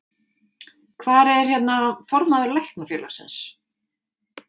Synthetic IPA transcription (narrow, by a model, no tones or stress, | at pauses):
kʰvaːɾɛɾ̥çɛt̪nafɔɾmaðʏɾlɛhknafjœːlḁsɪ̰ns